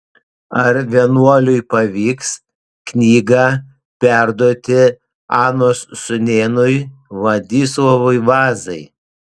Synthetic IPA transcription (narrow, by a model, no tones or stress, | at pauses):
ɐɾʋʲiɛnuɔlʲʊjpɐʋʲiːks | knʲiːɡɑ | pʲæˑɾd̪uɔt̪ʲɪ | ɑːnoːssʊnʲeːnʊjʋɐd̪ʲiːslɔʋʊjʋɑːzɐɪ